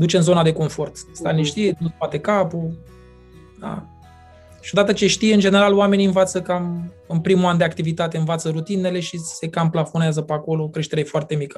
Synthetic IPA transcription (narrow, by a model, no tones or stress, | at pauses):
d̪ut͡ʃe̞ɨnzo̞nad̪e̞ko̞ɱfo̞rt̪st̪aneʃt̪ienuspat̪e̞kapu | d̪a̰ | ʃiod̪at̪ət͡ʃe̞ʃt̪ijeɨnd͡ʒe̞ne̞ɾaloame̞niɨnvat̪səkam | ɨnpɾimuand̪eakt̪ivit̪at̪e̞ɨnvat̪səɾut̪ine̞le̞ʃise̞kamplafo̞neazəpeako̞lokɾe̞ʃt̪eɾejefoart̪e̞mikə